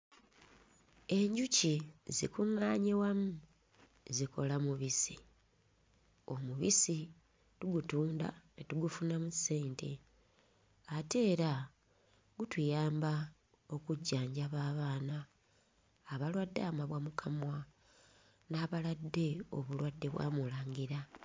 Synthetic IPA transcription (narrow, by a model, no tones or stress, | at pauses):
e̞ɲɟucizḭkuŋːaːɲewamu | ziko̞̰lamuβisi | o̞muβisi | tuɡutuːnda̰netuɡufunamuseːntʰe | ate̞ːɾa | ɡutujaːmba | o̞kuɟːaːɲɟaβaːβaːnaː | βalwadːa̰maβwamukʰamwa | naβaladːe̞o̰βulwadːe̞βwa̰ːmulaːŋɡiɾa